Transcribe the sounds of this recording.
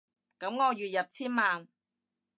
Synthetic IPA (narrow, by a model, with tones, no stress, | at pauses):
kɐ˨˥mŋɔː˨˧jyː˨t̚jɐ˨p̚t͡sʰiː˥nmaː˨n